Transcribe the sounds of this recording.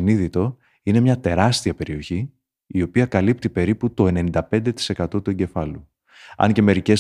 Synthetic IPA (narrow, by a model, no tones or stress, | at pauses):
niðit̪o̞ | ine̞mɲɐt̪e̞ɾɐst̪iɐpe̞ɾio̞çi | io̞piɐkɐlip̚t̪ipe̞ɾiput̪o̞e̞ne̞nind̪ɐpe̞nd̪e̞t̪i̥se̞kɐt̪o̞t̪ue̞ɲɟe̞fɐlu | ɐ̰nce̞me̞ɾice̞